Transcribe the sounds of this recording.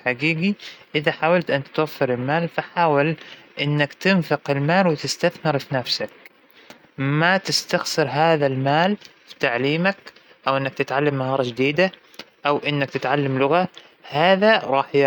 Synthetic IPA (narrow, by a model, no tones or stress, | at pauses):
ħaɡiːɡiʔɪðaħaːwalt̪ʔant̪t̪wafːɪɾɪlmaːlfaħaːwalʔɪnːakt̪ɪnfɪqɪlmaːlwɪt̪ɪst̪aθmɪɾfinafsak̚ | mat̪ɪst̪axsɨɾɦaːðalmaːlfi̥t̪aʕliːmak | ʔawʔɪnːak̚t̪ɪt̪ʕalːamːahɑːɾˤɑd͡ʒɪd̪iːd̪a | ʔawʔɪnːak̚t̪ɪt̪ʕalːamlʊɣa | haːðaɾˤɑːħj